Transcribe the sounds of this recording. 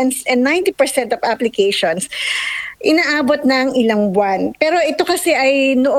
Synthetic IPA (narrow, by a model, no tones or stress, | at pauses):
nsɛ̃nnaj̃nt̪ipɛɹsɛnt̪ɐvaplɪkejʃons | ʔɪnaːʔaːbot̪̚nɐɐŋʔɪlaŋbwanpɛːɾo̞ʔɛt̪o̞kɐsɛʔɐjnoʔ